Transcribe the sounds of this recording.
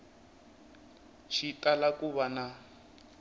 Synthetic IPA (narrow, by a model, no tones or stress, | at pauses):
ʃitʼalakuβana